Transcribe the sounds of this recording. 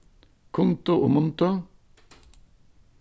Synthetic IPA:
kʰʊŋt̪oʔo̰ːmʊnt̪o

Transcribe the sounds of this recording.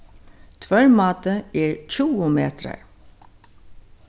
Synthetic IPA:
t̪ʰvœɹmɑːt̪əɛɹt͡ʃuwʊmeːt̪ɾa̰ɹ

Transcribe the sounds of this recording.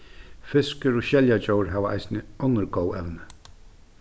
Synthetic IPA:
fɪskəɾɔɕɛljat͡ɕowəɾɦaʋəa̰jsnəɔnəɾɡoːwɛwnə

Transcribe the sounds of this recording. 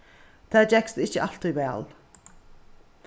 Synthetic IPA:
t̪ʰæːd͡ʒɛkst̪əɪçəʔɑlt̪ʰiːʋæ̰ːl

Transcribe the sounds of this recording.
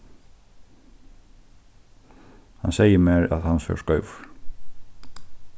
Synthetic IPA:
ha̰nsɛjəmɛːɹa̰ðhansœ̰skœɥv

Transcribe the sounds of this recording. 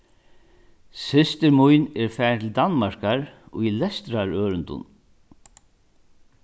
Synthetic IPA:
sɪst̪ɪɾmujnɛɹfɛːnt̪ʰɪld̪anmaɹ̥kaɹʊ̰jlɛst̪ɾaɹœːɾʏnt̪ʊ̰n

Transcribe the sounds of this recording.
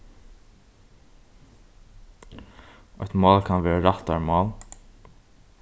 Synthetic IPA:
ɔ̰t̪mɑːlkʰanʋɛːɹaɾat̪aɹmɑːl

